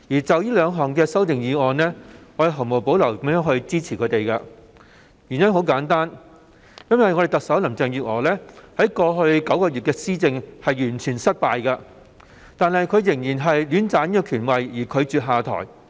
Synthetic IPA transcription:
jiː˨˩t͡sɐ˨wjiː˥lœː˨˧ŋɦɔː˨˩ŋkɛː˧sɐ˥wt̪ɪ˨ŋjiː˨˥ɔː˨˧nlɛː˥ɔ˨˧˥e˨˧ɦɐ˨˩mo˨˩wpo˨˥wlɐ˨˩wkɐ˨˥mjœː˨˥ŋhɵ˧ɥt͡siː˥t͡sʰiː˨˩kʰɵ˨˧˥t̪e˨˩jkɐ˧ | jyː˨˩njɐ˥ŋɦo˨˥wkaː˨˥nt̪aː˥n | jɐ˥nwɐ˨jŋɔː˨˧e˨˩jt̪ɐ˨k̚sɐ˨˥wlɐ˨˩mt͡sɛː˧ŋjyː˨t̚ɔ̰ː˨˩lɛː˥hɐ˨˥jkɔː˧ɦɵ˧ɥkɐ˨˥wkɔː˧ɥyː˨t̚kɛː˧siː˥t͡sɪ˧ŋhɐ˨jjyː˨˩nt͡ʃʰyː˨˩nsɐ˥t̚paː˨˧jkɐ˧ | t̪aː˨˧nhɐ˨jkʰɵ˨˧ɥjɪ˨˩ŋjiː˨˩nɦɐ˨jlyː˨˥nt͡saː˨˥njiː˥kɔ˧kʰyː˨˩nwɐ˨jjiː˨˩kʰɵ˨˧ɥt͡syː˨t̚ɦaː˨˧t̪ʰɔ̰ː˨˩j

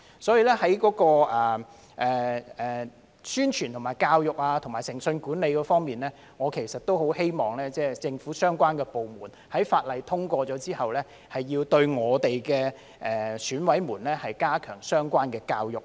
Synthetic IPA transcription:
sɔː˨˥jiː˨˧lɛː˥hɐ˨˥jkɔː˨˥kɔː˧ʔɛː˨˩ | ʔɛː˨˩ɛː˨˩ | syː˥nt͡ʃʰyː˨˩nt̪ʰʊ˨˩ŋmaː˨˩jkaː˧wjʊ˨k̚aː˧t̪ʰʊ˨˩ŋmaː˨˩jsɪ˨˩ŋsɵ˧nkuː˨˥nle˨˧jkɔː˧fɔː˥ŋmiː˨nlɛː˥ | ŋɔː˨˧kʰe˨˩jsɐ˨t̚t̪o˥who˨˥whe˥jmɔː˨˩ŋlɛː˥t͡sɛː˥˩t͡sɪ˧ŋfuː˨˥sœː˥ŋkʷaː˥nkɛː˧po˨wmuː˨˩n | hɐ˨˥jfaː˧t̚lɐ˨˧jt̪ʰʊ˥ŋkʷɔː˧t͡ʃɔː˨˥t͡siː˥hɐ˨wlɛː˥ | hɐ˨jːiː˧wt̪ɵ˧ɥŋɔː˨˧t̪e˨jkɛː˧ | ʔɛː˨syː˨˥nwɐ˨˥jmuː˨˩nlɛː˥hɐ˨jkaː˥kʰœː˨˩ŋsœː˥ŋkʷaː˥nkɛː˧kaː˧wjʊ˨˩k̚

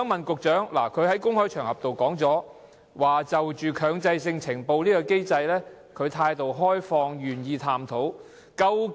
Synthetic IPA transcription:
ŋmɐ˨nkʊ˨k̚t͡ʃœː˨˥ŋla̰ː˨˩kʰɵ˨˧ɥhɐ˨˥jkʊ˥ŋhɔː˥t͡ʃʰœː˨˩ŋhɐ˨p̚t̪o˨wkɔː˨˥ŋt͡sɔː˨˥ | waː˨t͡sɐ˨wt͡ʃyː˨kʰœː˨˧ŋt͡sɐ˧jsɪ˧ŋt͡sʰɪ˨˩ŋpo˧wliː˥kɔ˧ke˥jt͡sɐ˧jlɛː˥ | kʰɵ˨˧ɥt̪ʰaː˧jt̪o˨wɦɔː˥jfɔː˧ŋjyː˨˩njiː˧t̪ʰaː˨mt̪ʰo˨˥w | kɐ˧w

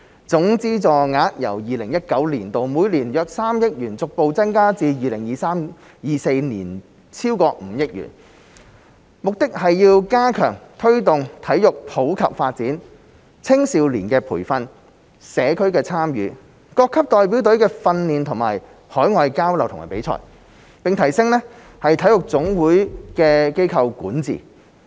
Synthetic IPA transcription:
t͡sʊ˨˥ŋt͡siː˥t͡sɔː˨˩ŋaː˨˥t̚jɐ̰˨˩wjiː˨lɪ˨˩ŋjɐ˥t̚kɐ˨˥wliː˨˩nt̪o˨wmuː˨˧jliː˨˩njœː˧k̚saː˥mjɪ˥k̚jyː˨˩nt͡sʊ˨k̚po˨˧wt͡sɐ˥nkaː˥t͡siː˧jiː˨lɪ˨˩ŋjiː˨˩saː˥m | jiː˨˧se˧jnḭː˨˩n | t͡sʰiː˥wkɔː˧m̩ː˨˧jɪ˥k̚jy̰ː˨˩n | mʊ˨k̚t̪ɪ˥k̚hɐ˨jjiː˧wkaː˥kʰœ̰ː˨˩ŋt̪ʰɵ˥ɥt̪ʊ˨ŋt̪ʰɐ˨˥jjʊ˨k̚pʰo˨˥wkʰɐ˨p̚faː˧t̚t͡siː˨˥n | t͡sʰɪ˥ŋsiː˨˧wliː˨˩nkɛː˧pʰṵː˨˩jfɐ˧n | sɛː˨˧kʰɵ˥ɥkɛː˧t͡sʰaː˥mjy̰ː˨˧˥ | kɔː˧kʰːɐ˥p̚t̪ɔː˨jpi˨˥wt̪ɵ˨˥ɥkɛː˧fɐ˧nliː˨nt̪ʰʊ˨˩ŋma̰ː˨˩j | hɔː˨˥jŋɔː˧jkaː˥wlɐ˨wt̪ʰʊ˨˩ma̰ː˨˩pe˨˧˥jt͡sʰɔ̰ː˨˩j | pɪ˨ŋt̪ʰɐ˨˩jsɪ˥ŋlɛ˥ | hɐ˨jt̪ʰɐ˨˥jʊ˨˩k̚t͡sʊ˨˥ŋwuː˨˥jkɛː˧ke˥jkʰɐ˧wkṵː˨˥nt͡sḭː˨˩

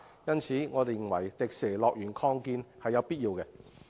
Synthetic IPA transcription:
jɐ˥nt͡sʰiː˨˥ŋɔː˨˧t̪e˨jŋwɐ̰˨˩jt̪ɪ˨k̚sɛː˨˩lɔː˨k̚jyː˨˩nkʰɔː˧ŋkiː˧nhɐ˨jːɐ˨˧wpiː˥t̚jiː˧wkɛ˧

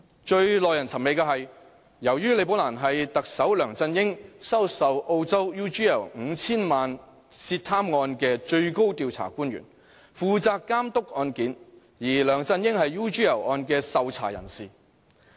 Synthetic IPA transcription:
t͡ʃɵ˧ɥlɔː˨jɐ˨˩nt͡sʰɐ˨˩me˨˧jkɐː˧ɦɐ˨j | jɐ˨˩wjyː˥le˨˧jpo˨˥wlaː˨˩nɦɐ˨jt̪ɐ˨k̚sɐ˨˥wlœː˨˩ŋt͡sɐ˧njɪ˥ŋsɐ˥wsɐ˨wʔo˧wt͡sɐ˥wjuː˥t͡ʃiː˥jɐ̰˨˩wŋ̩˨˧t͡sʰiː˥nmaː˨n | siː˧tt̪ʰaː˥mŋɔː˧nkɛː˧t͡ʃɵ˧ɥko˥wt̪iː˧wt͡sʰa̰ː˨˩kuː˥nɥy̰˨˩n | fuː˨t͡saː˧kːaː˥mt̪ʊ˥k̚ɔː˧nkiː˨˥n | jiː˨˩lœː˨˩ŋt͡sɐ˧njɪ˥ŋhɐ˨jjuː˥t͡ʃyː˥jɐ˨˩wʔɔː˧nkɛː˧sɐ˨˧wt͡sʰa̰ː˨˩jɐ̰˨˩nsiː˨˩

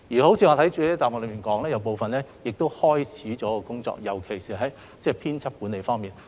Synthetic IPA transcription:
jiː˨˩ho˨˥wt͡sʰiː˨˧ŋɔː˨˧t̪ʰjt͡ʃyː˨˧˥jt͡saː˨pm̚ː˨˧lə˨˧˥miː˨nkɔː˨˥ŋlɛː˥jɐ˨˧wpo˧wfɐ˨nlɛː˥jɪ˨k̚t̪o˥whɔː˥jt͡sʰiː˨˥t͡ʃɔː˨˥kɔ˧kʊ˥ŋt͡sɔ̰ː˧k̚jɐ˨˩wkʰe˨˩jsiː˨ɦɐ˨˥j | t͡sɛː˧˩pʰiː˥nt͡sʰɐ˥p̚kuː˨˥ne˨˧jfɔː˥ŋmiː˨˩n

